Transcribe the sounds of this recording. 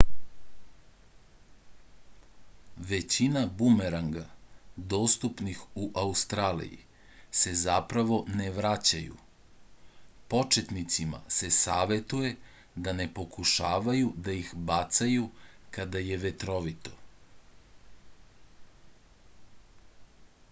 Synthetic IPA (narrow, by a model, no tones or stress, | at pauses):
ʋet͡ɕinabumeɾaŋɡad̪o̞ːst̪upnixuʔaust̪ɾaːlḭjḭ | se̞zapɾaʋo̞neʋɾat͡ɕajṵ | po̞t͡ʃet̪nit̪sima̰se̞saːʋe̞t̪uje̞ | d̪ane̞po̞kuʃaːʋajud̪aixbat̪sajukad̪ajeʋet̪ɾo̞ʋit̪o̞̥